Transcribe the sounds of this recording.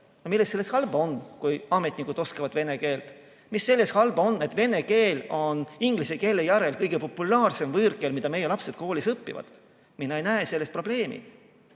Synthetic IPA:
nomilːestːse̞lːeshɑlbɑo̞nkujɑmet̪ʲːˑnikud̪̥o̞skɑvɑd̪̥ve̞ne̞ke̞ːlt̪ | misːe̞lːe̞shɑlbɑo̞nːe̞t̪ːˑveneke̞ːlo̞niŋɡ̥liseke̞ːlːejæɾelkɤjɡ̥e̞po̞pːˑulɑːrse̞mvɤrkˑe̞lmid̪̥ɑme̞jelɑpse̞d̪̚ko̞ːlisɤpːḭvɑ̰d̪̥ | minːejnæese̞lːest̪pro̞b̥le̞ːmḭ

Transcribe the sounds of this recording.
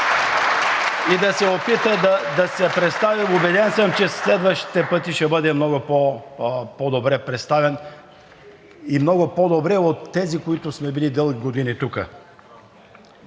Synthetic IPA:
id̪ɐsɛopit̪əd̪ɐd̪ɐsɛpɾɛt̪st̪aviobɛd̪ɛnsəmt͡ʃɛslɛd̪vəʃt̪i̥t̪ɛpɤt̪iʃɛbɤd̪ɛmnɔɡʊpo | pod̪obɾɛpɾɛt̪st̪avɛn | imnɔɡʊpod̪obɾɛot̪ːɛzikoit̪ʊsmɛbilid̪ɤlˠɡʲiɡod̪init̪ukə

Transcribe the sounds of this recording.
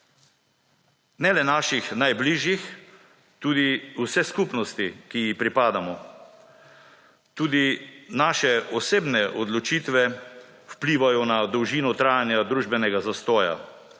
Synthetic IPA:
nɛlɛnaːʃixnajbliːʒjix | t̪uːd̪iusɛskupnɔst̪ikijixpɾipaːd̪amɔ | t̪uːd̪inaːʃɛɔseːbnɛʔɔd̪lɔt͡ʃiːt̪ʋɛ | wpliːʋajɔnad̪ɔwʒiːnɔt̪ɾaːjanjad̪ɾuːʒbɛnɛɡazast̪ɔːja̰

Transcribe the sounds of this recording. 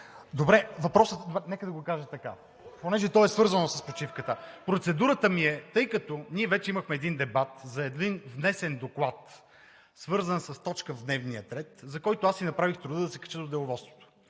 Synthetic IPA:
d̪obɾɛvɐpɾɔsət̪d̪ɛnɛkəd̪ɐɡokaʒət̪ɐka | ponɛʒɛt̪ɔɛsvɤɾzənosəspot͡ʃifkət̪əpɾot̪sɛd̪uɾət̪əmiɛt̪ɤjkət̪oniɛvɛt͡ʃɛiməxmɛːd̪ind̪ɛbat̪zɐɛd̪invnɛsɛnd̪oklˠat̪ | svɤɾzənsɐst̪ɔt͡ʃkəvd̪nɛvnijət̪ɾɛt̪zɐkɔjt̪oasinɐpɾavixt̪ɾʊd̪əd̪ɐsɛ̥kɐ̥t͡ʃəd̪od̪ɛlˠʊvɔt̪st̪vo̥t̪o̥

